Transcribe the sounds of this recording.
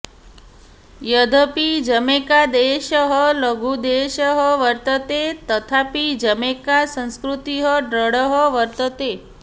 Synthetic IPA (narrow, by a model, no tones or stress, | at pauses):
jəd̪ʱəpid͡ʒəmekad̪eʃəɦələɡud̪eʃəɦəʋəɾt̪ət̪et̪ət̪ʰapid͡ʒəmekasə̃ñskɾut̪iɦəɖɾəɽəɦɔʋəɾt̪ət̪e